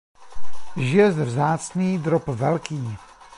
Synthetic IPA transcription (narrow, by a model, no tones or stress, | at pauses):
ʒɪɛzvzaːt͡sniːd̪ɾopvɛlkiː